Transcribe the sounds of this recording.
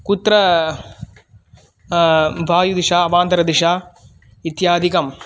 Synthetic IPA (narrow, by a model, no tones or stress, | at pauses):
kut̪ɾɐ | bʱaːjud̪iʂaːɐʋaːnt̪ɐɾɐd̪iʂaː | it̪jaːd̪ʱikɐm